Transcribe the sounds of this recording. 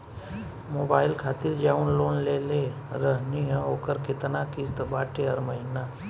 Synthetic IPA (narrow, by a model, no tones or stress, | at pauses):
moːbaːɪlkʰaːt̪iɾd͡ʒaːunloːnleːle | ɾəɦniɦə̃oːkəɾkɪt̪nakist̪baːʈeɦəɾməɦɪna